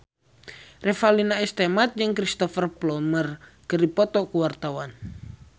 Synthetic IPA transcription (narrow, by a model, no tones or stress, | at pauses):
rɛfalinaɛst̪ɛmat̪̚d͡ʒɨŋkɾist̪ɔfɛrplɔmər | kəɾipɔt̪ɔkuwart̪awan